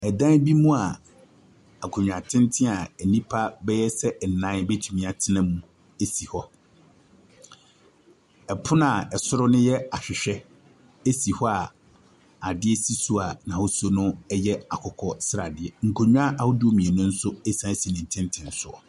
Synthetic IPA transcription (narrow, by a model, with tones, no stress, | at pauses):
ɛ˨dã˦bi˦mũ˦a˨ | a˨kʰʊ˨ɲᶣ˨ã˨tʰɪ̃˦n˦tʰɪ̃˦a˨ɛ˨nĩ˦pʰa˦bɛ˦jɛ˦sɛ˦˨nã˨˦be˦tʰu˨mĩ˨a˨tʰɪ˦nã˦mũ˦ | e˦si˨hɔ˦ | ɛ˨pʰʊ˦nã˨ɛ˨sʊ˦ɾʊ˦nʊ̃˦jɛ˦a˨ɕᶣɪ˨ɕᶣɛ˦ | e˦si˨hɔ˦a˨ | a˨dɪ˦ɛ˦si˦su˦a˨nã˨ho˦so˦nʊ̃˦ɛ˦jɛ˦a˨kʰɔ˨kʰɔ˨sɾa˨dɪ˨ɛ˨ŋ̩˨kʰo˨ɲᶣ˦a˦ʔa˨hʊ˦dʊ˦o˦mĩ˨ɛ˨nʊ̃˦n̩˦sʊ˦e˦sã˨˦si˨nɪ̃˨n̩˨tʰɪ̃˦n˦tʰɪ̃˨n˦sʊ˦ɔ̰˨